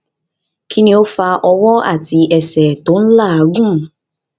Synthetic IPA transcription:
kʰi˦ni˦o˦fa˧ʔɔ˧wɔ˦a̰˨ti˨ɛ˨sɛ˨to˨˦n̩˦la˦˨ɡũ˦˨

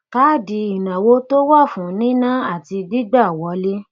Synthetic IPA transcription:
ka˨˦˨di˧i˨nã˨wo˧˦to˦wɔ˦˨fũ˨˦nĩ˦nã˦a˦˨ti˧di˦ɡ͡ba˦˨wɔ˨˦le˦

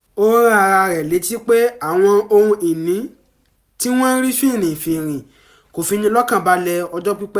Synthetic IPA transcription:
o˦ɾa˦˧ɾa˧ɾɛ˨le˨˦ti˦k͡pe˦a˦˨w̃ɔ̃˧o˧ũ˧i˨nĩ˨˦ | ti˦w̃ɔ̃˦n̩˦ɾi˦fĩ˦˨nĩ˨fi˨ɾ̃ĩ˨ | ko˨fi˧nĩ˧lɔ˦kã˦˨ba˨˦lɛ˧ɔ˧d͡ʒɔ˦k͡pi˦k͡pɛ˦

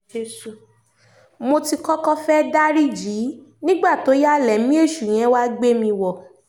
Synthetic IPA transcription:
mo˧ti˧kɔ˦kɔ˦fɛ˦da˦ɾi˦d͡ʒi˨˦nĩ˦ɡ͡ba˦˨to˨˦ja˦lɛ˨mĩ˦e˦˨ʃu˨j̃ɛ̃˦wa˦ɡ͡be˦mĩ˧wɔ˦˨

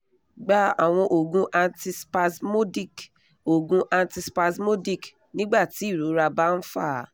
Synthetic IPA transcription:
ɡ͡ba˦a˦˨w̃ɔ̃˧ʔo˨ɡũ˧ʔa˧nti˧spa˧smo˦di˦˨k | o˨ɡũ˧ʔa˧nti˧spa˧smo˦di˦˨k | nĩ˦ɡ͡ba˦˨ti˨˦i˦˨ɾo˨˦ɾa˧ba˦n̩˦fa̰˦˨

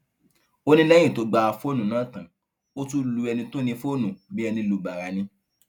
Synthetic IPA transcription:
o˦nĩ˦lɛ̃˦ĩ˦˨to˨˧ɡ͡ba˧a˧fo˦nũ˨nã˨˦˨tã˨ | o˦tu˦lu˧ɛ˧nĩ˧to˦nĩ˧fo˦˨nũ˨bi˦ɛ˧nĩ˧lu˨ba˨ɾa˨nĩ˧

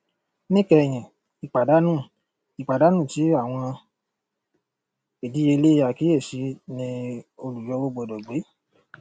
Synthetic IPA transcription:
nĩ˦kɛ˧˨j̃ĩ˨ | i˨k͡pa˨da˨˦nũː˦˨ | i˨k͡pa˨da˨˦nũː˦˨ti˨˦a˦˨w̃ɔ̃˧ | e˨di˨˦e˧le˦a˧˨ki˨˦e˦˨ʃi˨˧˦nĩ˧o˧lu˨d͡ʒɔ˨˧˦bo˦ɡ͡bo˧˨dɔ˨ɡ͡be˨˦

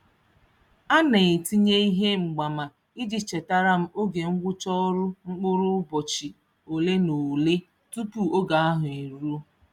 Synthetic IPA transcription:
a˦ne˨e˨ti˦ɲe˦i˦ɦe˦ŋ͡m̩˨ɡ͡ba˨ma˨ | i˦d͡ʒi˨t͡ʃe˨ta˦ɾa˦m̩˦o˦ɡe˨ŋ̩˦ɡʷʊ˦t͡ʃɔ˦ɾʊ˦ŋ͡m̩˦k͡pʊ˦ɾʊ˦bɔ˨t͡ʃi˨ | o˨le˦no˨le˦ | tu˦pu˦o˦ɡa˨a˦ɦʊ˨i˨ɾu˦

